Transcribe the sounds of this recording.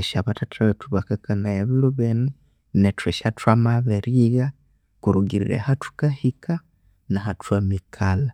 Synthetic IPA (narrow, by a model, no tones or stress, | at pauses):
eʃaβatatʰaβetuβakakanajaβiluβeni | netweʃatwamaβeɾiɣa | kuɾuɡiɾḭɾḛhatu̥kahikʰa | naɦatʰwamikʰala